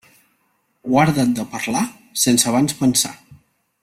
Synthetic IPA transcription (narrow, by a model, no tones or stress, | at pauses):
ɣwaɾðət̪̚d̪əpəɾla | sensəβ̞anspənsa̰